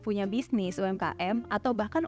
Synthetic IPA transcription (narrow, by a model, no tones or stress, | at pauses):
puɲabisnɪsuɛmka̰ʔɛmat̪awbahkan